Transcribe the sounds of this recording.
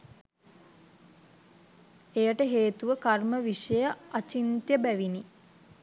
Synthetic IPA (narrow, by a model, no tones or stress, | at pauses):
ejəʈəɦeːt̪uʋəkarməʋiʂəjəat͡ʃint̪jəbæʋini